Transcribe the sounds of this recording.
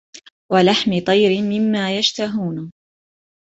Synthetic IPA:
walaħmɪt̪ˤɑjɾɪmɪmːaːjaʃt̪aɦuːn

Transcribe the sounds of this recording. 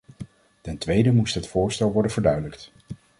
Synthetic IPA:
tɛntʋejdəmustɦətfʊːɹstɛlˠʋɔɹdənvəɹdœɥdələkt

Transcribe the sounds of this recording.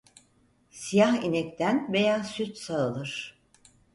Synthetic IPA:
sijahinɛct̪ʰænve̞jaːsyt̪saɯlˠɯɾ̥

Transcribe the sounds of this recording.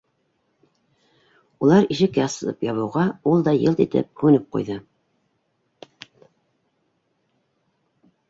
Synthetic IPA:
ulˠɑɾiʃɘ̆kːæsɤ̆lˠɤ̰pjɑβɤ̆wʁɑulˠd̪ɑjɤlˠt̪it̪ɘ̰p̚kʉnɘp̚qṵjðɤ

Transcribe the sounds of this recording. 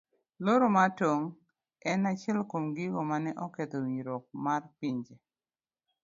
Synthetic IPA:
loɾomatoŋ | ɛnat͡ʃɪɛlkomɡiɡomanɛʔɔket̪owiɲɾɔk̚marpiɲd͡ʒe

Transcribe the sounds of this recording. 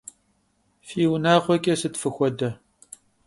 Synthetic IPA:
fiːwnaːʁʷɔkʼɐsɨtfɨxʷɔdɐ

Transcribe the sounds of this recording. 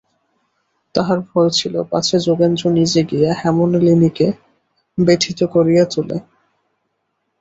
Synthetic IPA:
t̪aɦaɾfolt͡ɕʰilopa̰t͡ɕʰed͡ʑoɡend͡ʑonid͡ʑeɡijehɛmonlinike | beʈʰit̪okoɾijat̪ulḛ

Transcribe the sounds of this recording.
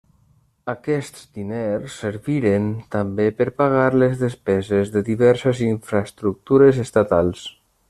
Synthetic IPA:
akɛst̪zd̪inelsːəɾβiɾent̪ambepəɾpaɣ̞aɾlezðəspɛzezðəðiβɛɾseziɱfɾast̪ɾuk̚t̪uɾəzest̪at̪alˠs

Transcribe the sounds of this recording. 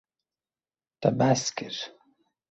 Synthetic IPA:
t̪abaskiɾ

